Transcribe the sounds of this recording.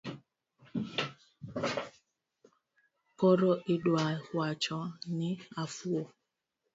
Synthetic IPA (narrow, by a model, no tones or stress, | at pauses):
pɔɾɔʔiɗwalhwat͡ʃɔniafuo